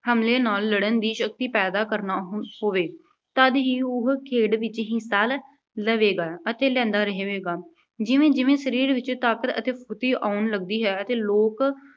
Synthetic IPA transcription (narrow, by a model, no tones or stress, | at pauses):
həmleːnaːlːəɽənd̪iːʃək̚t̪iːpɛːd̪aːkəɾnaːɦoːʋeː | t̪əd̪ɦiːʊɦkʰeːɖʋɪt͡ʃɦĩːsaːl | ləʋeːɡaːət̪eːlɛ̃ːnd̪aːɾəɦeːʋeːɡaː | d͡ʒɪʋẽːd͡ʒɪʋẽːsəɾiːɾʋɪt͡ʃt̪aːkət̪ə̰t̪eːpʰʊt̪iːʔaːʊnləɡd̪iːɦɛːət̪eːloːk